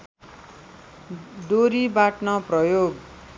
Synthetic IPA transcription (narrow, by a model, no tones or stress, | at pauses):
d̪oɾibaʈnʌprʌjoɡ